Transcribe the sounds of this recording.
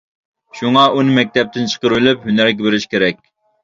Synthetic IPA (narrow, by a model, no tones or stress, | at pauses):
ʃuŋɑʔunɨmɛk̚ʲt̪ɛp̚t̪ɪnt͡ʃʰə̥qəɾylyphynæɾɡʲɛbɪɾɪʃkʲʰeɾɛkʲ